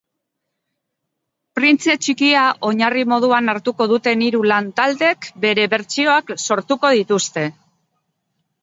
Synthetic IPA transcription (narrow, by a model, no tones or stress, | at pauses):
pɾint͡se̞t͡ʃikiaʔo̞ɲarimo̞ð̞uanaɾt̪uko̞ðut̪e̞niɾulant̪ald̪e̞kbe̞ɾe̞βe̞ɾt͡sio̞akso̞ɾt̪uko̞ð̞it̪ust̪e̞